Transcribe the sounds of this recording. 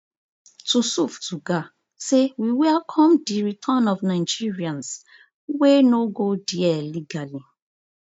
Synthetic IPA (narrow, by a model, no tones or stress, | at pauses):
tusuftuɡa | sewiwɛakʰɔ̃mdiɹitʰɔnɔfnãɪd͡ʒiɹiãns | wenoɡodiɛliɡali